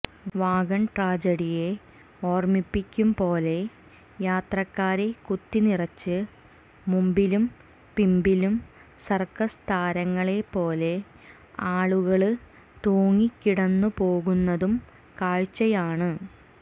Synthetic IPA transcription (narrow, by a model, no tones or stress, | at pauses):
ʋaːɡɐɳʈraːd͡ʑɐɽije̞ | o̞ːrmipːikʲːumpo̞ːle̞ | jaːt̪rɐkːaːɾekut̪ːinirɐt͡ɕːɨ | mumbilum | pimbilum | sɐrkɐst̪ʰaːɾɐŋːɐɭe̞po̞ːle̞ | aːɭuɣɐɭɨ | t̪oːŋːikːiɽɐnːupo̞ːɣunːɐðum | kaːɻt͡ɕːɐjaːɳɨ